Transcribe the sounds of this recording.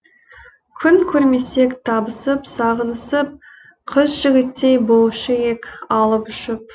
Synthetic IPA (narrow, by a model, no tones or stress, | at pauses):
kʲʰʏnkʲʰɵɾme̞se̞kt̪ʰɑbəsəpsɑʁənəsəp̚ | qʰəzʒɪɡʲɪt̪ːe̞jbolˠʃəjekʲɑlˠəpʏʃɪp̚